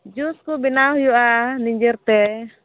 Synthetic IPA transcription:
d͡ʒuskubinaujuaniɲd͡ʒɛrt̪ɛ

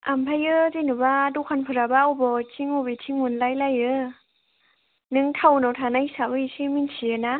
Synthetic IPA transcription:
ampʰajɯzenɯbadukʰanpʰɯɾabaɔwbɔtʰiŋɔbetʰiŋunlajlajɯ | nɯŋtʰawnawtʰanajisabɯisɯminsʰiɯna

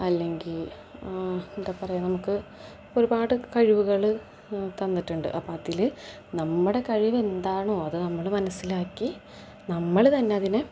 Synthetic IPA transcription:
ɐlːe̞ŋɡil | indepːɐrɐjunɐmukːɨ | oɾubaːɽɨkɐɻiʋuɣɐɭ | t̪ɐnːiʈːuɳɖɨ̰ʔɐpːaːt̪ːil | nɐmːuɽe̞kɐɻiʋe̞nd̪aːɳoːɐðɨnɐmːɐɭmɐnɐsːilaːkːi | nɐmːɐɭt̪ɐnːe̞ɐðinɨ

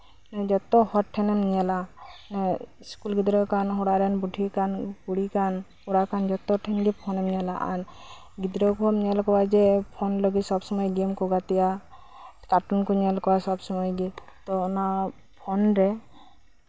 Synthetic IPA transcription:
nɛd͡ʒɔt̪ɔhɔʈʰɛnɛmɲɛlanɛ | skulɡid̪ɾɔkanɦɔɽaɾɛnbuʈikankuɽikan | huɽakand͡ʒɔt̪ɔʈʰɛnɡipʰɔnɛmɲɛlaʔa̰n | ɡid̪ɾɔkɔmɲɛlkɔwad͡ʒɛpʰɔnlɔɡisɔbsɔmɔjɡemkɔɡat̪ija | t̪aʈunkɔɲɛlkɔwasɔbsɔmɔjɡi | t̪ɔːna | pʰɔnɾɛ

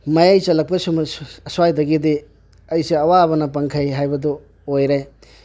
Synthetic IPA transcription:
mɐjajt͡ʃɐlɐk̚pɐsumɐɐswajdɐɡidi | ɐjseɐwabɐnɐpɐŋkʰɐjɦajbɐdu | ojɾaj

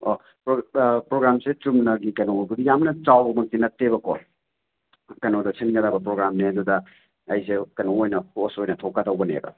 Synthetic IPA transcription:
o | pɾopɾoɡɾamsetumnɐɡikɐnokudijamnɐt͡ʃawmɐk̚tinɐtːebɐkɔ | kɐnodɐsinɡɐdabɐpɾoɡɾamnihɐdudɐ | ɐjs̬ekɐnoojnɐhosojnɐtʰɔkːadɐwbɐnḛbɐ̰

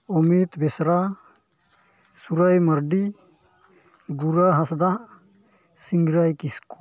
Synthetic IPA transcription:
omit̪besɾa | suɾajmɐɾɖi | ɡuɾaɦasd̪aʔ | siŋɡɾajkisku̥

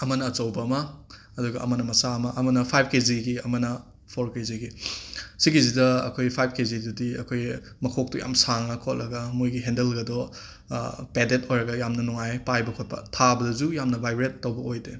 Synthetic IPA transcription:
ɐmɐnɐːt͡ʃɐwbɐɐmɐː | duɡɐʔɐ̰mɐnɐmɐsamɐʔɐmɐnɐpʰajb̚ʰkeziɡiɐmɐnɐ | pʰoɾkeziɡisiɡizidɐɐ̰kʰojpʰajb̚ʰkezidudiɐkʰoj | mɐkʰok̚tuja̰msaŋɐkʰotlɐɡɐmojɡiɦendelɡɐdɔ | pedetojɾɐɡɐjamnɐnuŋajpajbɐkʰot̚pɐ̰tʰabɐdɐzujamnɐbʱajbɾetːɐwbɐojde

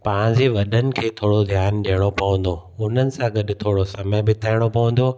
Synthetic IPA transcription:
pãːɪ̃ɲd͡ʑeʋɐɗənɪ̆kʰeːt̪ʰoːɽod̪ʱjaːnɗijəɽ̃opɐʋə̃nd̪oʊn̤ənɪ̆sãɡɐɗt̪ʰoːɽosɐməjbɪt̪ʰaːɪɽ̃opɐʋə̃nd̪o

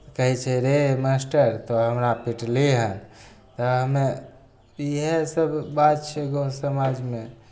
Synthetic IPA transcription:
kəɦit͡ʃʰɛɾemasʈəɾt̪ɔɦəmɾapiʈliɦən | t̪ɔɦəme | iɦesəbbat̪̚t͡ʃʰɛɡosəmad͡ʒme

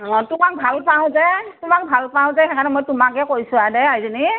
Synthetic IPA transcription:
tʊmak̚bʱalpaʊ̃zɛtʊmak̚bʱalpaʊ̃zɛɛkʰanɛmojtʊmak̬ɛkojsʊ̃adɛaizeni

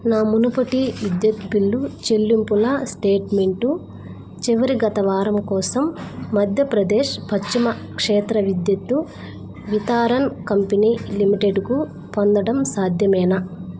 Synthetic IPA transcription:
naːmunupɐʈiʋid̪jɐt̪biɭːut͡ʃelːimpulɐsʈeːʈme̞ɳʈu | t͡ʃiʋɐɾiɡɐt̪ɐʋaːɾɐmkɔːsɐmːɐd̪ʱjɐpɾɐd̪eːʂpɐt͡ʃimɐ | kʂɛːt̪ɾɐʋid̪jɐt̪ːu | ʋit̪aːɾɐnkɐmpinilimiʈeɖku | pɔnd̪ɐɽɐmsaːd̪ʱjɐmɛːnɐ

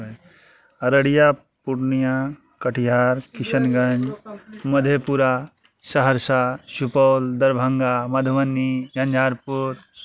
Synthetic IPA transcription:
ɐɾəɽija | puɾnija | kɐʈʰijaːɾkiʃənɡɐɲd͡ʒmɐd̪ʱjepuɾa | sɐɦəɾsaʃupɔːld̪ɐɾbʱɐ̃ŋɡamɐd̪ʱʋɐnːiɡɐ̃ɲd͡ʒʱaːɾpuɾ

